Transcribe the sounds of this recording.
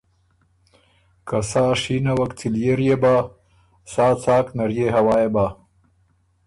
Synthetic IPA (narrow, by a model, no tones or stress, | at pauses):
kɐsaːʂiːnɐwɐkt͡sʰiljeɾjeba | saːt͡saːknɐɾjeɦɐwaːjebaː